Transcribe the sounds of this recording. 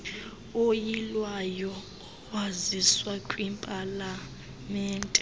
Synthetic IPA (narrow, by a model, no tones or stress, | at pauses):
ojilwajɔ | waziswakʼwimpʼala | mɛːntʼɛ